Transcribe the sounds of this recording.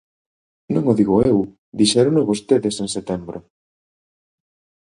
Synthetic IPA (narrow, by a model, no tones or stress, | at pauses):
nõŋoðiɣoew | d̪iʃɛɾonoβost̪eðeseŋset̪ɛmbɾʊ